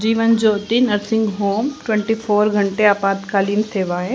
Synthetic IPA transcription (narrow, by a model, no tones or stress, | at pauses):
d͡ʑiːʋənd͡ʑoːt̪inɐɾsɪ̃ŋɡɦoːmʈwɛ̃ɳʈifoːɾɡʱɐ̃ɳʈeaːpaːt̪kaːliːnsʰeːʋaːɦẽ